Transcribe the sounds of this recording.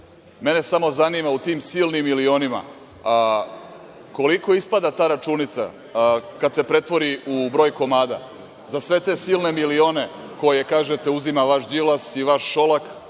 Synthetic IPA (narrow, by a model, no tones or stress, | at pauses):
me̞ne̞samo̞zanimaut̪iːmsilnimːilio̞nima̰ | ko̞liko̞ispad̪at̪aːɾat͡ʃunit̪sa̰ | kad̪se̞pɾe̞t̪ʋo̞ɾiubɾo̞ːjko̞maːd̪a̰ | zasʋe̞t̪e̞silˠne̞milio̞ːne̞ko̞jekaːʒet̪euzimaʋaʃd̪ilasiʋaʃːo̞lak